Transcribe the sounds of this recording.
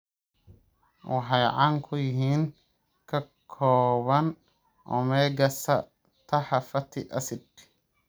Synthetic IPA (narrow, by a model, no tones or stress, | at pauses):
wɑħɑjʕɑːŋkʰʊjɪɦiːŋ | kʰɐkʰɔːβɐn | ʔɔ̰mɛːɡɐsɐ | t̪ʰɐħɑfɐt̪ʰɪʔɐ̰sɪd̪